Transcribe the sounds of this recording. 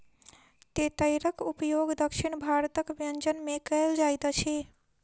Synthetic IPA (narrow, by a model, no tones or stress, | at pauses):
t̪et̪əɾəkupəjoɡd̪əkʃiɳ̃bʱaɾt̪əkʋijənd͡ʒənmekəjld͡ʒajt̪ət͡ʃʰi